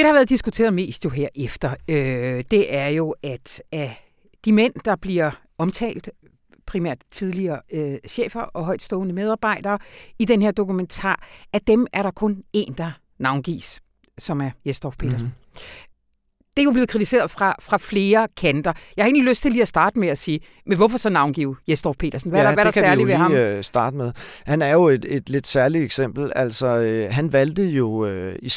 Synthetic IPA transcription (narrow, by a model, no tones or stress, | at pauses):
d̥e̥ɑhɑʋæːɐðˠd̥isɡ̥ut͡sʰe̝̰ːɐðˠme̝̰ːsd̥jo̝ɦeɐ̰ʔefd̥ɐød̥e̝ʔæɐjo̝ʔæd̥æ | d̥imen̰d̥ɑ̈b̥liɐ | ɒ̽mt͡sʰɛ̰ːld̥ | pʰʁimæ̰ɐ̰d̥t͡sʰiðˠliɐːøɕḛːfɐʔɒ̽ɦɒ̽ɪ̰̥sd̥ɔ̽ːnəmeð̞ˠɑ̈ːb̥ɑ̈ɪ̰d̥ɐːid̥enheɐd̥o̝kument͡sʰɑ̰̈ːæd̥emʔæɐɾɑ̈kʰɔ̽ne̝̰ːnd̥ɑ̈ | nɑ̈ʊnɡ̥ḭːs | sɒ̽mæɐjesd̥ɒpʰe̝̰ːdɐsn̩ | d̥e̝ɐjo̝b̥le̝ːð̩ˠkʰʁit͡sʰise̝̰ːɐðˠfʁɑ̈fʁɑ̈fle̝ːɐkʰænd̥ɐjɑjhɑe̝̰ːnliløsd̥t͡sʰe̝liːæsd̥ɑ̈ːd̥əmeæsiː | menʋɒ̽fɒsɒ̽nɑ̈ʊnɡ̥ḭːʊjesd̥ɒfpʰe̝̰ːɾ̥ɐsn̩ʋæɐɾɑʋæɐɾ̥ɑsæɐliʋehɑmsd̥ɑ̈ːd̥əmeðˠhænæɐjo̝e̝d̥ed̥le̝d̥sæɐlieɡ̥sem̰b̥l̩æl̰sɒøɦænʋæld̥əjo̝øi